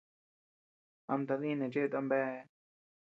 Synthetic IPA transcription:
a˧mt̪a˧ðĩ˦nẽ˨t͡ʃe˦e˧t̪a˧mbɛ˦˧

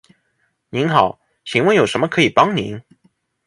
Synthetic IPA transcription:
ni˧˥nxɑ˨˩˦ʊ | ɕʰi˧˥ŋwə˧njo˨˩ʊʂə˧˥mə˧kʰɤ˧˥i˨˩pɑ˥ŋnḭ˧˥˦n

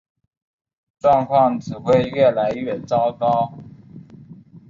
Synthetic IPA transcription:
ʈ͡ʂwɑ˥˧ŋkʰwɑ˥˩ŋʈ͡ʂɻ̩˨˩xwe˥ɪɥɛ˥˩la˧˥ɪɥɛ˥˨˩t͡sɑ˥ʊkɑ˥ʊ

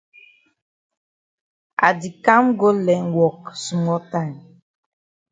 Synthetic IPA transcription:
a̰˨di˨ka˦mɡo˦lɛ˨˦nwɔ˨ksu˨mɔ˦ta˦˨jm

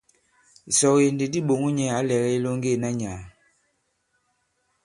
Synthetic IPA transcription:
sɔ˨ɣje˨nde˨di˦ɓo˨ŋu˦ɲɛ˦a˨˦lɛ˨ɣɛ˦e˦lo˦ŋ˦ɡe˦˨na˦ɲaː˨

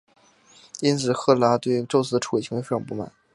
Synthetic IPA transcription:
i˥nt͡sʰɹ̩˨˩xɤ˥˩˥la˧˥t̪we˥˧ɪʈ͡ʂo˥˧ʊt͡sʰɹ̩˥˧ʈ͡ʂʰu˩˨˩nə˧˥fe˥˩ɑ˨˩pu˥˩ma̰˨˩˦n

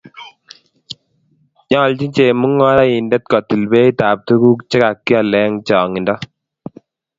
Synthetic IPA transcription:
ɲɔ˦lt͡ʃi˦ɲt͡ʃe˨mu˦ŋːɔ˦ɾa˦i˨ndɛ˦t̪̚kɔ˨ti˨lbe˦i˦taː˨p̚tu˦ku˦kt͡ʃɛ˦ka˨kːi˦a˨lɛ˦ŋt͡ʃɔː˨ŋi˨ndɔ˦

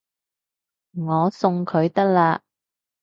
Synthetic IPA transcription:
ŋɔː˨˧sʊ˧ŋkʰɵ˨˧ɥt̪ɐ˥k̚laː˧

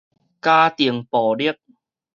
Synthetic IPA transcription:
kaː˧t̪i˨˩əŋpɔː˨˩li˥˩ək̚

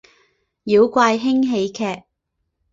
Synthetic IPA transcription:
jiː˨˧wkʷaː˧jɦɪ˥ŋɦe˨˧jkʰɛː˨˧k̚

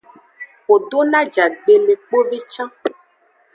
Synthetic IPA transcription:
wo˨ɖo˦nã˦d͡ʒa˨ɡ͡be˨le˨k͡po˦ve˦t͡ʃã˦

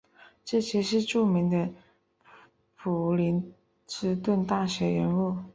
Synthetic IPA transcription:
ʈ͡ʂɤ˥˩ɕjɛ˥ʂɻ̩˥˧ʈ͡ʂu˥˩mi˧˥ŋd̪ə˧ | pʰu˨˩li˧˥n | ʈ͡ʂɻ̩˥t̪wə˥˧nt̪a˥˩ɕɥɛ˧˥ɻə˧˥nu˥˩

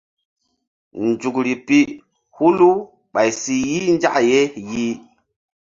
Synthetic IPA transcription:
nd͡ʒu˨kɾi˨pi˦ | hu˦lu˦ | ɓa˨jsi˨ji˦n˦d͡ʒa˦ʔje˦ji˦

